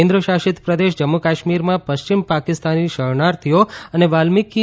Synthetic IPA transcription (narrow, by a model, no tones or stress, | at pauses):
ẽnd̪ɾəʃaʃit̪pɾəd̪eʃd͡ʒəmːukaʃmiɾmãpəʃt͡ʃimpakist̪aniʃəɭnaɾt̪ʰijoəneʋalmikːi